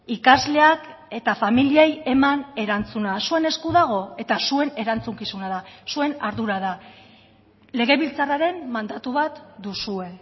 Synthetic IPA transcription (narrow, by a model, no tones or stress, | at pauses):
ikazle̞ake̞t̪afamilieje̞mane̞ɾant͡sunasue̞ne̞skuðaɣ̞o̞e̞t̪asue̞ne̞ɾant͡suŋkisunaðasue̞naɾðuɾaða | le̞ɣ̞e̞βilt͡saraɾe̞mmand̪at̪uβat̪d̪usue̞